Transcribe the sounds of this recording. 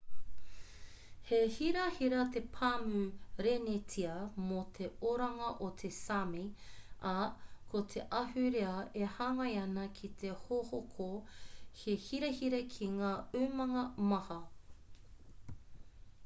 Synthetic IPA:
hehiɾɐhiɾɐt̪epʰaːmʉɾenetʰiɐmot̪ʰeoɾɐŋɐʔot̪ʰesamiɐkʰot̪ʰeʔɐɦʉɾeɐehaːŋɐjɐnɐkʰit̪ʰehohokʰohehiɾehiɾekʰiŋaːʉmɐŋɐmɐhɐ

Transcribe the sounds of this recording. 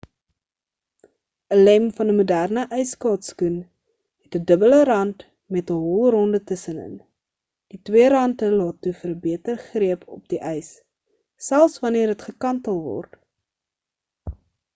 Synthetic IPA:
əlɛmfɐnəmudærnəʔœjskɑːtskun | ɦɛtədəbələɾɐnt | mɛtəɦɔlˠrɔndətəsənə̰n | d̥itwiəɾɐntəlɑːtːufərbiətərχriəpɔ̰p̚diʔœjsː | ælˠsvɐniərɦətχəkɐntəlˠvɔ̰rt

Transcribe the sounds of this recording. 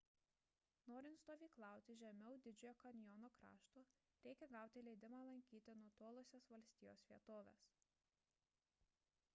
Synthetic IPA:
noːɾʲɪnt̪st̪oːʋʲiːklˠɑˑʊt̪ʲɪʒʲɛmʲɛʊd̪ʲɪd͡ʒʲʊjoːkɐnʲjɔnoːkɾɑ̰ːʃt̪uː | ɾʲɛɪkʲɛɡɑˑʊt̪ʲɪlʲɛɪd̪ʲɪmɑːlˠɐŋʲkʲiːt̪ʲɪnuɔt̪oːlˠosʲesʋɐlʲsʲt̪ʲiːjo̰ːsʋʲiɛt̪oːʋʲḛːs

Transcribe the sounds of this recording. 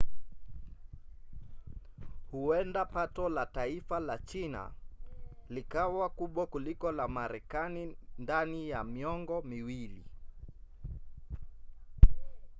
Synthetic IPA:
huɛndapatɔlataifalat͡ʃina̰ | likawakuɓwakulikɔlamaɾɛkanindanijamiɔŋɡɔmiwilḭ

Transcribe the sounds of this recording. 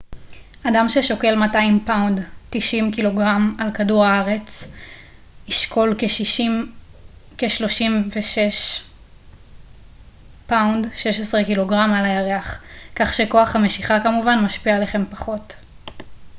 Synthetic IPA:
ʔadamʃeʃoke̞lmataimpawndtiʃimkilo̞ɡʁamalkaduʁaaʁe̞t͡s | iʃkʰo̞lkeʃiim | keʃlo̞ʃimveʃeʃ | pawndʃe̞ʃesʁekilo̞ɡʁamalajaʁeaχkaχʃe̞ko̞aχhameʃiχakamuvanmaʃpialeχe̞mpaχo̞t

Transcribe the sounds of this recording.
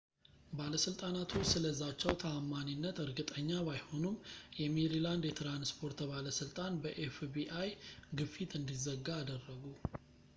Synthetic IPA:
baləsɨlt̪ʼanat̪ʰusɨləzːat͡ʃːɛwt̪ʰaamːaninːət̪ɨɾɡɨt̪ʼəɲːaβajho̞numjɛmeɾiland̪jɛt̪ʰɾanspʰo̞ɾt̪əβaləsɨlt̪ʼanbəʔefbiʔajɡɨfit̪ɨnd̪izəɡːaːd̪ərːəɡu

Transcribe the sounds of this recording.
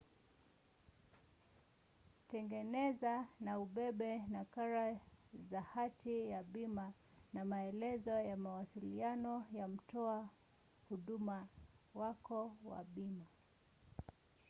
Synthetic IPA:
tɛŋɡɛnɛzanauɓɛɓɛnakaɾazahatijaɓima | namaɛlɛzɔjamawasilianɔjam̩tɔa | huɗumawakɔwa̰ɓima

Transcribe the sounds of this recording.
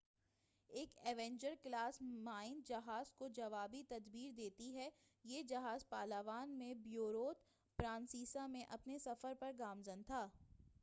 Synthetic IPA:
eːkɛːʋɛ̃ːɲd͡ʒəɾklaːsmaːɪnd͡ʒɐɦaːzkod͡ʒɐʋaːbit̪ɐd̪biːɾd̪eːt̪iɦɛ | jeːd͡ʒɐɦaːzpaːlaːʋaːnmẽbjoːɾoːt̪ | pɾãːnsiːsamẽʔɐpnesɐfəɾpɐɾɡaːmzɐnt̪ʰaː

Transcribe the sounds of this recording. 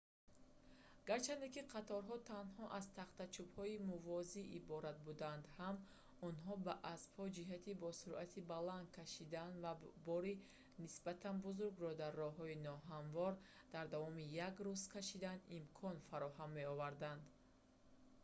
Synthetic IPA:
ɡ̥aɾt͡ʃʰand̪ekiqʰat̪ʰɔɾɦɔt̪ʰanhɔʔazt̪ʰaχt̪at͡ʃʰubhɔimuvɔziʔibɔɾat̪̚bud̪and̪ham | ɔnɦɔbaʔasb̥hɔd͡ʒiɦat̪ʰibɔsuɾʔat̪ʰibaland̪̚kʰaʃid̪anvabɔɾi | nisbat̪ʰanbuzuɾɡɾɔd̪arːɔɦɔinɔɦanvɔɾ | d̪̥aɾd̪avɔmijaɡɾuz̥kʰaʃid̪animkʰɔnfaɾɔɦamːe̞ɔvaɾd̪and̪

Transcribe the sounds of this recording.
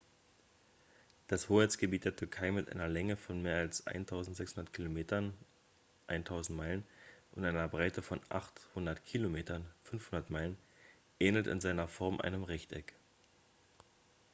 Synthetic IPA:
d̥ashoːɛɐt͡sɡ̥əbiːt̚d̥eːɐtʰʏɐkʰaɪmɪtʔa̰ɪnɐlɛŋəfɔnmeːɐalsʔa̰ɪntʰaʊzn̩tz̥ɛkshʊndɐtkʰilomeːtɐn | ʔaɪntʰaʊzn̩tmaɪlənʔʊntʔaɪnɐbʁaɪtəfɔnʔa̰χthʊndɐtkʰilomeːtʰɐnfʏnfhʊndɐtmaɪlən | ʔɛːnl̩tɪ̰nzaɪnɐfɔɐmʔa̰ɪnəmʁɪçtɛk

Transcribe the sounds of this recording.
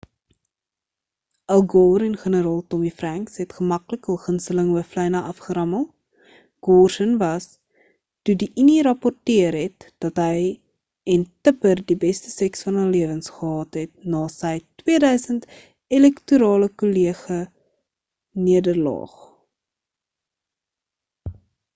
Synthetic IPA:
ʔɐlˠɡoːɾɛnχənəɾɑːlˠtɔmifræŋksɦɛtχəmɐkləkəbəχənstələŋəflɛjnɐʔɐfχəɾɐmɐ | ɡ̥ɔːrʃənvɐs | tudiʔiniɾɐpɔrtiərɦɛt̚d̥ɐtɦəj | ɛntəpərdibɛstəsɛksfɐnɦəliəvənsχəɦɑːtɦɛt̚nɑːsəjtwiədœɥsənt | elɛktuɾɑːləkoliəχə | niədərlɑ̰ːχ

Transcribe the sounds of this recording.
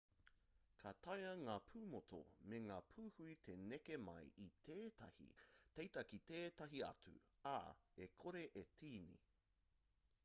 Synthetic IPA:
kʰatɐjɐŋaːpʰuːmotʰo̰meŋaːpʰuːhuit̪ʰe̞nekemɐ̰jit̪ʰeːtɐ̰hḭtejtɐkiteːtɐɦiɐ̰t͡sṵa̰ekʰoɾeʔetʰiːnḭ

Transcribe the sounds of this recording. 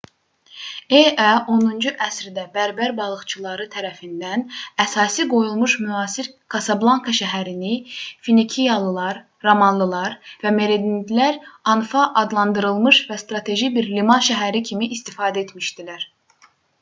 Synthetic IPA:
eʔæʔo̞nund͡ʒuʔæsɾid̪æbæɾbæɾbɑlˠɯχt͡ʃʰɯlˠɑɾɯt̪ʰæɾæfind̪ænæsɑːsiɡo̞julˠmuʃmyɑːsiɾkʰɑsɑblˠɑŋkʰɑʃæɦæɾinifinicʰijɑlˠɯlˠɑɾ | ɾomɑnlˠɯlˠɑɾvæme̞ɾed̪ind̪læɾɑnfɑʔːd̪lˠɑnd̪ɯɾɯlˠmɯʃvæst̪ɾɑt̪ʰe̞ʒibiɾlimɑnʃæɦæɾicʰimiʔːst̪ifɑːd̪æet̪miʃd̪ilæɾ̥

